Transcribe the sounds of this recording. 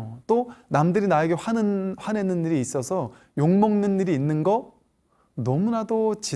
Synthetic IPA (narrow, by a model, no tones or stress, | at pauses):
t͈onamdɯɾinaeɡeɸanɯnɸwane̞nɯnːiɾiːs͈ʌsʰʌ | joŋmʌŋnɯnːiɾiːnːɯnɡʌ | nʌmunadot͡ɕi